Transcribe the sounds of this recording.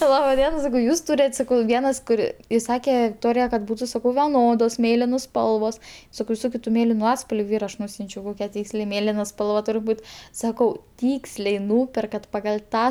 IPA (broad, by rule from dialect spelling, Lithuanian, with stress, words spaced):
ˈlˠɑːbɐ ˈdʲiɛnɐ sɐˈkɐʊ ˈjuːs ˈtuːrʲɛtʲ ˈsɑːkɐʊ ˈʋʲiɛnɐs kʊˈrʲɪ ɪˈsɑːkʲɛ ʋʲɪkˈtoːrʲɪjɛ kɐt ˈbuːtʊ ˈsɑːkɐʊ ʋʲɛˈnoːdoːs ˈmʲeːlʲɪnoːs ˈspɐlˠʋoːs ˈsɑːkɐʊ ʋʲɪˈsoːkʲʊ tʊ ˈmʲeːlʲɪnʊ ˈɑːtspɐlʲʋʲʊ ˈiːrɐ ɐʃ ˈnuːsʲʊnʲt͡ʃʲɛʊ ˈkoːkʲɛ ˈtʲiːksʲlʲɛɪ ˈmʲeːlʲɪnɐ ˈspɐlˠʋɐ ˈtʊrʲɪ ˈbuːt ˈsɑːkɐʊ ˈtʲiːksʲlʲɛɪ ˈnuːpʲɛrkɐt pɐɡɐlʲ ˈtɑː